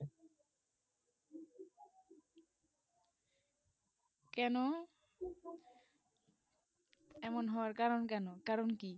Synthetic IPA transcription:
kɛno | ɛmonɦɔwaɾkaɾonkɛnokaɾonki

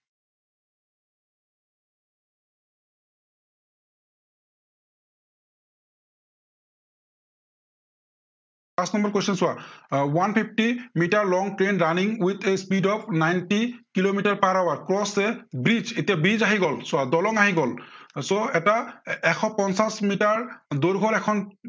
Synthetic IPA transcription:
pasnɔmbɔɹkojsʰinswawanpʰip̚ʰʈimitaɹlɔŋtɹenɹaniŋwit̪ʰespidɔp̚najntikilomitaɹpaɹawaɹkɹɔsɛbɹid͡ʒetijabɹid͡ʒaɦiɡɔlsʊadɔlɔŋaɦiɡɔlsoɛtaɛkʰɔpɔnsasmitaɹdoɹɡʱɔɹɛkʰɔn

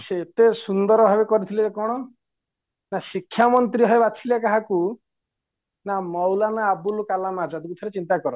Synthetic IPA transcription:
set̪esund̪ɔɾɔbʱabekɔɾit̪ʰileekɔɽ̃ɔ | nasikʰːjamɔnt̪ɾiɦɔebat͡ʃʰilakaɦaku | namɔwlanaːbulukalamad͡ʒad̪ikut̪ʰɔɾet͡ʃint̪akɔɾɔ

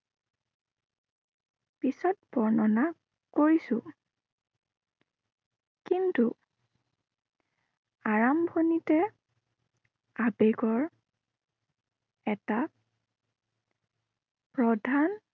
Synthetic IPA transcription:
pisɔt̚bɔɹnɔna | koɹisʊ̃ | kintu | aɹambʱonitɛ | abeɡɔɹ | ɛta | pɹɔdʱan

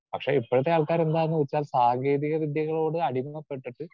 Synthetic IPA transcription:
pɐkʂe̞ipːoɻɐt̪ːeaːɭkaːɾe̞nd̪aːenːuʋet͡ɕːaːlsaːŋɡe̞ːðiɣɐʋid̪jɐɣɐɭo̞ːɽɨɐɽimuɐpːe̞ʈːiʈːɨ

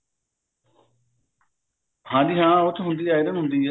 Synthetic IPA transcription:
hãːd̪iːɦãːʊt̪ʰɦʊnd̪iːaːid̪ənɦʊ̃nd̪iː

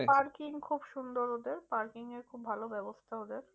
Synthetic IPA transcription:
paɾkiŋkʰubʃund̪oɾod̪eɾpaɾkiŋeɾkʰubbʱalobɛbost̪ʰaod̪eɾ

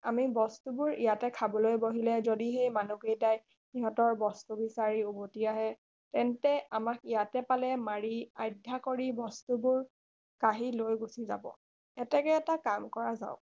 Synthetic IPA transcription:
amibɔstubʊɹijatɛkʰabɔlojboɦilɛzodiɦejmanuɡejtaj | niɦɔtɔɹbɔstubisaɹiubotiaɦɛ | tɛntɛamakijatɛpalɛmaɹia̰jdʱːakoɹibɔstubʊɹ | kaɦilojɡusiza̰bɔ̰ | ɛtɛkɛɛtakamkɔɹaza̰ʊ̃

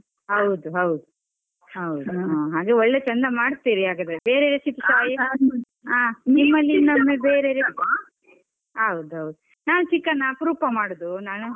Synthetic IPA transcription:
ɦɐwd̪uɦɐwd̪u | ɦɐwd̪uaːɦaːɡeːɔɭːet͡ʃɐnd̪ɐmaːɽt̪iːɾiaːɡɐd̪ebeːɾeːɾesit̪isaːji | aːnimːɐlːinɐmːebeːɾeɾe | ɦɐwud̪uɦɐwd̪u | naːnut͡ʃikːɐnːɐːpɾuːpɐmaːɽod̪unaːnu

